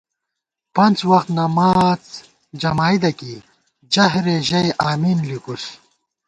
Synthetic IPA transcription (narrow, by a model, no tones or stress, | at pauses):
pɐnt͡swɐxt̪nɐmaːt͡s | d͡ʑɐmaːid̪ɐki | d͡ʑɐɦɾeʑɐjʔaːminlikus